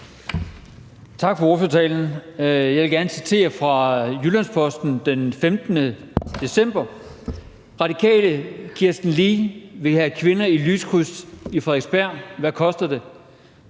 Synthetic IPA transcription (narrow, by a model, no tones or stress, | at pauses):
t͡sʰɑ̈ɡ̥fɒoːføɐt͡sʰɛ̰ːln̩jɑʋelɡ̥æɐnəsit͡sʰe̝̰ːɐfʁɑ̈julæn̰spʰɒ̽sd̥n̩d̥enfemd̥nə | d̥e̝sem̰b̥ɐ | ʁɑ̈dikʰɛ̰ːləkʰiɐsd̥n̩liːʋe̝hækʰʋe̝nɐilyːskʰʁusifʁɛeɡ̥sb̥æɐ̰ʋækʰɒ̽sd̥ɐd̥e̝